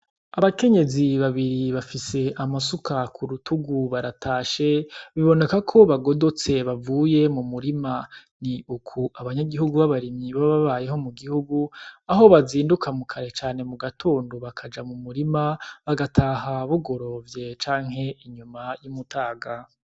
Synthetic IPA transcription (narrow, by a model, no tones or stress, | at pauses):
aβake̞ɲe̞ziβaβiɾiβafise̞ʔamasukakʰuɾutʰuɡuβaɾatʰaːʃe̞βiβo̞ne̞kakʰo̞βaɡo̞do̞t͡se̞βavuːje̞mumuɾima | niukʰuʔaβaɲaɡiɦuɡuβaβaɾimɲiβaβaβaje̞ɦo̞muɡihuɡuaɦo̞βaziːndukʰamukʰaɾe̞t͡ʃaːne̞muɡatʰoːndoβakʰad͡ʒamumuɾimaβaɡatʰaɦaβuɡo̞ɾo̞vje̞t͡ʃaːŋ̥ɦe̞ʔiɲumajumutʰaːɡa